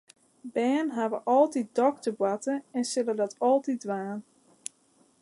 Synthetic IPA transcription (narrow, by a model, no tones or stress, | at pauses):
bɛːnɦaʋəʔɔlˠtit̚dɔk̚təbwatəɛnsɪlədɔtɔlˠtidʋaːn